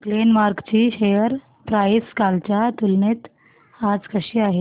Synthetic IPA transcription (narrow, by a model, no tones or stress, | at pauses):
klenʋaɾkt͡ɕiːɕejəɾ | pɾajskalt͡ɕat̪ulnet̪ | ad͡zkəɕiːaɦe